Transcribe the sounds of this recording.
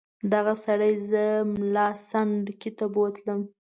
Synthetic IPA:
d̪aɣasaɽajzəmlɑsaɳɖkit̪abot̪ləm

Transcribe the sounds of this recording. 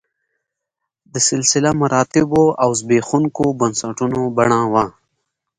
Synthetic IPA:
d̪əsɪlsɪlamɐɾɑːt̪ɪboawzbeːxuŋkobɐnsɐʈunobɐɳãːwaː

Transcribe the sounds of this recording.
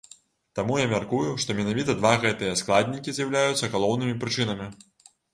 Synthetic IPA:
t̪amujamʲarkujuʂt̪ɔmʲɛnavʲit̪ɐd̪vaɣɛt̪ɨjɐsklˠad̪ʲnʲikʲizʲjɐwlʲajut̪sːɐɣalˠɔwnɨmʲipɾɨt͡ʂɨnɐmʲi

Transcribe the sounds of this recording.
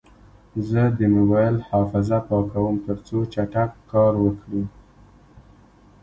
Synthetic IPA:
zəd̪əmʊbɑjɪlhɑfɪzapɑkawəmt̪əɾt͡sot͡ʃaʈakːɑɾwəkɽi

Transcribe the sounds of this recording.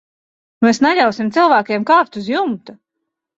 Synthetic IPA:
mɛːsnaʎʲawsimt̪silˠvæːkeɛmkaːft̪uzjumt̪u

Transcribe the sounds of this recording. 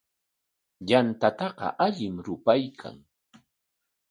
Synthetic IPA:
ʎant̪at̪ɑɢɑ̰ʔaʎɪmɾʊpajkʰa̰ŋ

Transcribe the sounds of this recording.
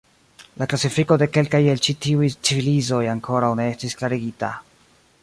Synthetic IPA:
laklasifiko̞de̞ke̞lkaje̞lt͡ʃitiujt͡sivilizo̞jaŋkʰo̞ɾawne̞estisklaɾiɡita̰

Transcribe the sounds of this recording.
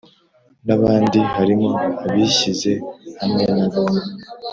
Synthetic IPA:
naβaːndiɦaɾimo̞aβiɕize̞hamŋenaβae

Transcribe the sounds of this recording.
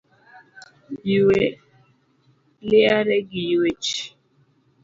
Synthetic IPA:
jiwe | lɪaɾɛɡijiwet͡ʃ

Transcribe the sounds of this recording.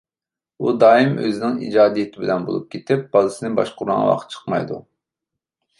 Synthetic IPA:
ud̪ɑːimø̰zɪnɪŋḭd͡ʒɑːd̪ijet̪ʰɪbɪlɛnbo̰lˠup̚kʲʰet̪ʰɪp̚b̥ɑlˠɨsɨnɨbɑ̰ʃqʊɾɑ̰ŋ̰wɑ̰q̪ʰt͡ʃʰə̥qmɑ̰jd̪u

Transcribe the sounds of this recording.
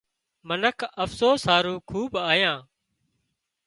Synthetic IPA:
mənəkʰəfsoːsaːɾũːkʰuːbaːjãː

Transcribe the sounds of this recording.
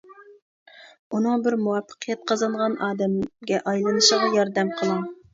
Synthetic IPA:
unɨŋbɪɾmuwɑpːə̥qʰɨjɛt̪̚qʰɑzɑɴʁɑnʔɑːd̪ɛmɡʲɛʔɑjlˠɨnɨʃəʁɑjɑɾd̪ɛmqʰəlˠɨŋ

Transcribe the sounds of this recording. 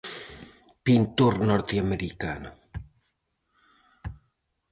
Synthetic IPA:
pint̪uɾnɔɾt̪iameɾikano

